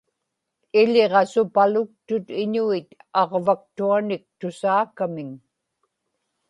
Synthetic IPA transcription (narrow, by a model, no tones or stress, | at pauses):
ɪʎeʁɑsʊpalʊk̚t̪ʊt̪ɪɲuit̪ɑʁvak̚t̪uanɪk̚t̪ʊsaːkamɪŋ